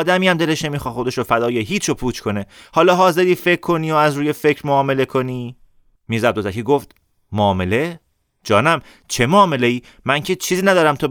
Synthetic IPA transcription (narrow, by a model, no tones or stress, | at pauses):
d̪æmijæmd̪ele̞ʃnemiːxɒːχxo̞d̪e̞ʃofæd̪ɒːjeɦiːt͡ʃʰopʰuːt͡ʃʰkʰo̞ne̞hɒːlɒːɦɒːze̞ɾiːfe̞kʰːo̞niːoæzɾuːjefe̞cɾmoɒːme̞le̞kʰo̞niː | miːzæb̚d̪ozækʰiːɡoft̪ | moːme̞le̞ | d͡ʒɒːnæm | t͡ʃʰe̞moːme̞le̞iː | mæŋcʰet͡ʃʰiːziːnæd̪ɒːɾæmt̪ʰo